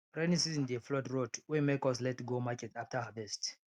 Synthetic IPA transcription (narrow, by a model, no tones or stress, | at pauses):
pɹanĩsisĩndeflɔtɹotwɛ̃mekɔslɛtɡomakɛtaftahavɛst